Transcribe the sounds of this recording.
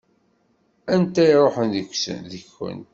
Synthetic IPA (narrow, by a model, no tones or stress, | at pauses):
ænt̪æiɾˤoħənðəkʷːsə̰nðəçːə̰nt̪